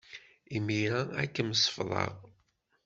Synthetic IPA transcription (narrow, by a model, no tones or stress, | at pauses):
imiɾaækːəmsˤə̥fðˤɑ̰ʁ